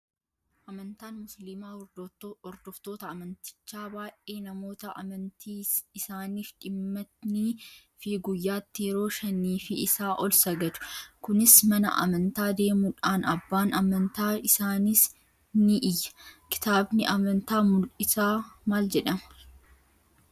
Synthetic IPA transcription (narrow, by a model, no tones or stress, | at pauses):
ʔɐmɐnt̪aːnmʊslɪmaː | ɔɾd̪ɔft̪o̞ːt̪ɐɐmɐnt̪ɪ̥t͡ʃːaːbaːʔe̞ːnɐmo̞ːt̪ɐʔɐ̰mɐnt̪ʰiːɪsaːniːfᶑɪmːɐt̪ni | fɪɡʊjːaːt̪ːɪjɛɾo̞ːʃɐnːiːfɪɪsaːʔɔlsɐɡɐd̪ʊ̥kʊnɪsmɐnɐ̰ʔɐ̰mɐnt̪aːd̪e̞ːmʊᶑaːnɐbːaːnɐmɐnt̪aːɪsaːnis | nɪʔɪjːɐ̥kɪ̥t̪aːbnɪʔɐmɐnt̪aːmʊlʔɪsaːmaːld͡ʒɛᶑɐmɐ̥